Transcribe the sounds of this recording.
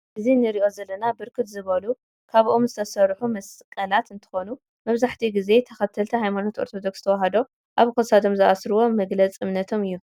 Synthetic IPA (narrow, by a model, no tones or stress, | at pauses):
ʔɨzinɨɾiʔo̞zɐlːɐnabɨɾkʰɨt̪zɨβɐlu | kʰaβʔomzɨt̪ʰɐsɐɾħumɐskʼɐlat̪ɨnt̪ʰɨ̥xo̞nu | mɐβzaħt̪ʰiɡize̞t̪ʰɐxɐt̪ʰɐlt̪ʰɐɦajmano̞t̪o̞ɾt̪ʰo̞d̪o̞kst̪ʰɐwaɦɐd̪o̞ | ʔaβkʰosad̪o̞mzɨʔasɾɨwo̞mɐɡlɐt͡sʼɨmnɐt̪ʰo̞mɨjːu